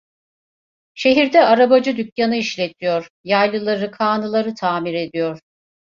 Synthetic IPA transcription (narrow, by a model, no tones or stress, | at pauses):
ʃe̞ɦiɾd̪ɛaɾabad͡ʒɯd̪ycjanɯiʃlʲet̪ʰijoɾ̥ | jajlˠɯlˠaɾɯkʰaːnɯlˠaɾɯt̪ʰaːmiɾe̞d̪ijoɾ̥